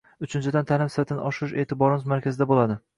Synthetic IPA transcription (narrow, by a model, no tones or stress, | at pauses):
ʊt͡ʃʰɪnt͡ʃʰɪd̪ant̪ʰalɪmsɪɾt̪ʰɪnɪʔɒʃɪʃe̞ːt̪ʰɪbɒɾɪmzmaɾkʲʰazɪd̪abolad̪ɪ